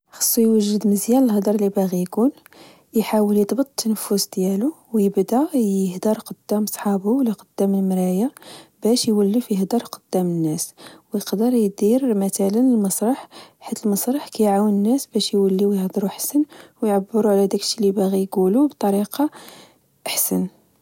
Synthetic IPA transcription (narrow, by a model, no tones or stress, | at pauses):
xɑ̥sˤːujwəʒːəd̪məzjæləlɦd̪ˤɑɾˤlibaɣijkun | jħawəljəd̪ˤbət̪ˤt̪ʰːənəfʊsd̪jælu | wjəbd̪æjəhd̪ɑɾˤqəd̪ːæmsˤħɑbuwlːæqəd̪̥ːæməlmɾæjabæʃjwəlːifiəhd̪ɑɾˤqəd̪̥ːæmənːæswjəqd̪əɾˤjd̪iɾmæt̪ælənəlmɑsˤɾˤɑħħit̪əlmɑsˤɾˤɑħkæjʕawənənːæsbæʃjwəlːiwjəhd̪ɾuħsənwjʕabːəɾuʕlæd̪æklʃilibæɣijɡulubt̪ˤɑɾiqɑ | ʔħsən